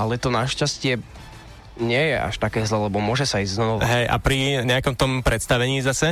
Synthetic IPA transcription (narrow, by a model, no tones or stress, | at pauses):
alɛt̪ɔnaʃcascɪɛ | ɲɪɛjɛʔa̰ʃt̪akɛːzlɛlɛbɔmʊɔʒɛsaizɟznɔnɔɦɛjʔa̰pɾiɲɛakɔmt̪ɔmpɾɛt̪st̪aʋɛɲiːzasɛ